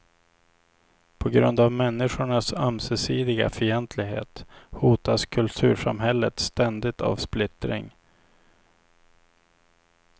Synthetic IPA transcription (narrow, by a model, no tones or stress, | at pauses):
pʰɔɡɾɵnd̪avmɛnːɪɧʊɳasœmsɛsiːd̪ɪɡa̰fœɛnt̪ʰlɪɡɦḛːt̪huːt̪askʰɵlt̪ʰʉ̟ːʂa̰mɦɛlːət̪st̪ɛnd̪ɪt̪ʰa̰vsplɪt̪ɾɪ̰ŋ